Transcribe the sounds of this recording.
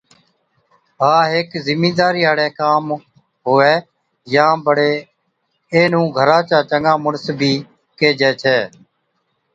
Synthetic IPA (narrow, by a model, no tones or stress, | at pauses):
ɦaːɦɪkzɪmĩːd̪aːɾiːɦaːɽɛ̃ːkaːm | ɦoːɛː | jãːbəɽeː | eːnũːɡʱəɾãːt͡ʃaːt͡ʃəŋãːmʊɽəsbʱiː | keːd͡ʒɛːt͡ʃʰɛː